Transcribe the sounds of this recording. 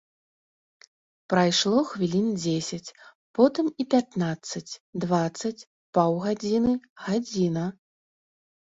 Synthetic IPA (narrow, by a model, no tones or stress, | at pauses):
pɾajʂlˠɔxvʲilʲind͡zʲesʲɐt͡sʲ | pɔt̪ɨmipʲat̪nat̪sːɐt͡sʲd̪vat̪sːɐt͡sʲ | pawɣad͡zʲinɨɣad͡zʲinɐ